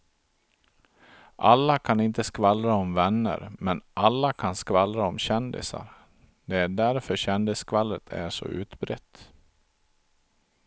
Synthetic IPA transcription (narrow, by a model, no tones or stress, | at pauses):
ʔalːakʰanɪnt̪əskvalɾaɔmvɛnːə̰ɾmɛnʔalːakʰanskvalɾaɔmɕɛnd̪ɪ̰sa̰ɾ | d̪ɛæɖæɾfœɕɛnd̪ɪskvalːət̪ʰæ̰ʂɔ̰ʉ̟ːt̪bɾɛt̪ː